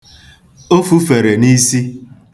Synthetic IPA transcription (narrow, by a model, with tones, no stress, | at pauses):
o˦fu˦fe˨ɾe˨ni˦si˦